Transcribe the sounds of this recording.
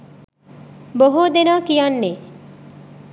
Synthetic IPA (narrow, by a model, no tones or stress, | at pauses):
boɦod̪enaːkijɐnːe